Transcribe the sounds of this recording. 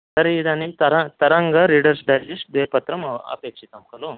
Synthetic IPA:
t̪əɾid̪anit̪ɐɾat̪ɐɾaŋɡɐɾiɽəɾsɖ̪ʱalisd̪ʋepɐt̪ɾɐmɐɐ̰pekʂit̪amkɐlo

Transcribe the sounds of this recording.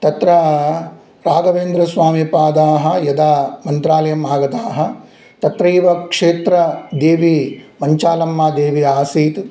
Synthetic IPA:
t̪ɐt̪ɾɐ | bʱaːɡɐʋeːnd̪ɾɐsʋaːmipaːd̪aːɦɐ̆jɐd̪aːmɐnt̪ɾaːlɐjɐmaːɡɐt̪aːɦɐ̆ | t̪ɐt̪ɾɐiːʋɐkʂeːt̪ɾɐd̪eːʋimɐɲt͡ʃaːlɐmːaːd̪eːʋiaːsiːt̪

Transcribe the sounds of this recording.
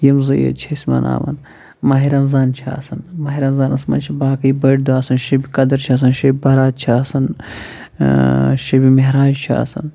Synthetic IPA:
jɐmzɐjɐ̰t͡ʃʰɐsʲmɐ̰na̰ːmɐ̰n | mɐɦiɾɐmzaːnt͡ʃʰa̰ːsɐnmɐɦiɾɐmzaːnɐsmɐ̰nt͡ʃʰibaːkɐibɐʈd̪uaːsɐnʃɐbikɐd̪ɐɾt͡ʃʰaːs̬ɐnʃɐbʲibɐɾaːt̪̚t͡ʃʰaːsɐn | ʃɐbimeɦɾaːd͡ʒt͡ʃʰa̰ːsɐ̰n

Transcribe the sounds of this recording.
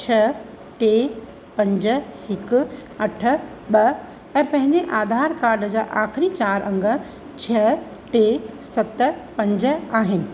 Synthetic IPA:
t͡ɕʰɐ | ʈeː | pɐ̃ɲd͡ʑə̆hɪkʊ̆ɐʈʰə̆ | ɓɐ | ɛ̃ːpɐ̃ɦɪ̃ɲd͡ʑeʔaːd̪ʱaːɾkaːɾɖəd͡ʑaːʔaːxɪɾit͡ɕaːɾʔɐ̃ŋɡə̆ | t͡ɕʰɐ | ʈeːsɐt̪pɐ̃ɲd͡ʑə̆aːɦɪnɪ̆

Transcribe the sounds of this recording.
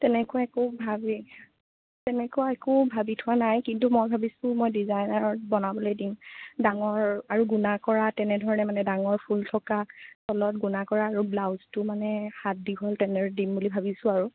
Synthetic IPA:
tɛnɛkʊaɛkubʱabi | tɛnɛkʊaɛkubʱabitʰʊanajkintumojbʱabisʊ̃mojdizajnaɹɔbɔnabɔlojdimdaŋɔɹaɹuɡunakɔɹatɛnɛdʱɔɹɔnɛmanɛdaŋɔɹpʰultʰɔkasɔlɔtɡunakɔɹaːɹublawztʊmanɛhat̚diɦɔltɛnɛɹdimbulibʱabisʊ̃aɹu

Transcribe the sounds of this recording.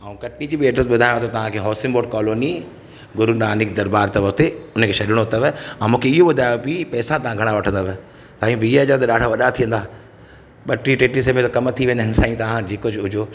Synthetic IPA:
aːũkɐʈnid͡ʑiːbeːʈəɾsɓʊd̪ʱaːjõt̪ʰot̪ɐʋ̤ãkʰeːɦɔːsɪmboːɖkɔːloːni | ɡʊɾunaːnɪkd̪ɐɾbaːɾt̪ɐʋək̚t̪eʊnə̆kʰeːʃɐɗɪɽ̃oɦʊt̪aʋeãmũːkʰeɪɦoɓʊd̪ʱaːjopipɛːsãt̪ɐʋ̤ãɡʱɐɽ̃aʋɐʈʰə̃nd̪aʋe | t̪aːĩbʱiːad͡ʑəɾt̪ɐɗaːɖ̤ʱaʋɐɗat̪ʰijə̃nd̪aː | ɓɐʈɾiʈeːʈis̬emẽt̪kɐmt̪ʰiʋẽːnd̪ənɪ̆saːĩt̪ɐʋ̤ãd͡ʑeːkʊd͡ʑʊd͡ʑoː

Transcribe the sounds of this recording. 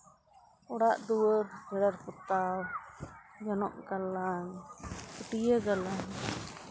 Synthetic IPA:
ɔɽaʔd̪uwəɾd͡ʒɛɽaɾput̪aw | d͡ʒɔnɔʔɡalːaŋkəʈijəɡalaŋ

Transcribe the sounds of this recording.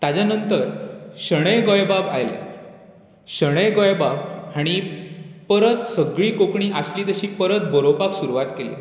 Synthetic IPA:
t̪ad͡ʑanənt̪əɾɕəɽ̃əjɡojbaba̰jlḛ | ɕəɽ̃əjɡɔjbabhaɽ̃ipəɾət̪səɡɭiːkokɳiːʔasliːd̪əɕiːpəɾət̪bəɾopaksuɾuʋat̪kelḛ

